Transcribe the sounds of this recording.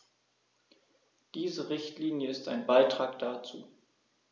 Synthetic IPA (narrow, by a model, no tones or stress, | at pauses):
d̥iːzəʁɪçtliːnjəɪstaɪnbaɪtʁ̥aːkd̥aːt͡sṵː